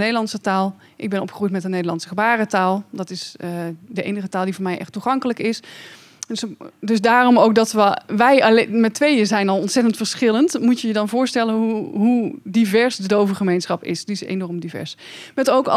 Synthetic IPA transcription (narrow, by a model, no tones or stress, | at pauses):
nejdəlɑntsətaːlˠ | ʔɪɡ̚bɛnɔpχərujtmɛtənejdəlˠɑnsəχəbaːrətaːlˠdɔtɪsdəʔḛjnəχətaːlˠdivʊːɹmɛjʔɛ̰χtːuχɑŋkələkɪs | sdøsdaːrɔmowk̚dɑtʋəʋɛjlmɛtʋejəzɛjnɔlˠɔntsɛtəntfəɹsχɪləntmutjəjədɑnvʊːɹstɛlənɦuɦudivɛɹsdədowvəχəmejnsχɑpɪ̰sdiɪsḛnɔɹmdivɛ̰ɹs | mɛtowk